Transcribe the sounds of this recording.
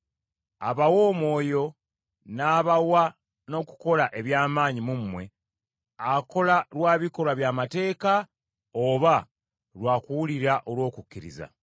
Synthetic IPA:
a̰βawo̞ːmwo̞ːjo̞ | naːβawa | no̞ːku̥ko̞laʔe̞βjaːmaːɲimumːwe̞ | ako̞lalwaːβiko̞lwaβjaːmate̞ːka | oβa | lwaːkuwuliɾaʔo̞lwo̞ːkukːiɾḭza̰

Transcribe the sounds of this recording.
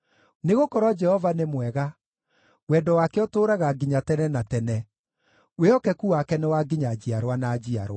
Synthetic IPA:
neɣokɔɾwɔd͡ʒɛhɔvanemwɛɣa | wɛdɔwakeɔtoːɾaɣaɡiɲatɛnɛnatɛnɛ | weɔkɛkuakɛnɛwaɡiɲad͡ʑiaɾwanaːd͡ʑiaɾwa

